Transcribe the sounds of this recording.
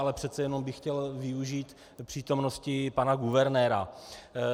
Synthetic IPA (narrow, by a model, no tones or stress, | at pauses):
alɛpr̥ɛt̪t͡sɛjɛno̞mbɪxcɛlvɪuʒiːt̪ | pr̥iːt̪o̞mno̞scɪpanaɡuvɛɾnɛːɾa̰